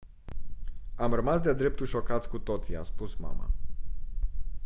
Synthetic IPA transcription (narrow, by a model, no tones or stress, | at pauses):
amrəmasd̪ead̪ɾe̞p̚t̪ulʃo̞kat̪sʲkut̪o̞t̪sia̰spusma̰ma̰